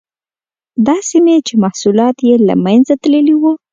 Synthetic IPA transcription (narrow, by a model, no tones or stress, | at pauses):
d̪ɑsimet͡ʃemahsulɑt̪jela̰manzat̪ləliwu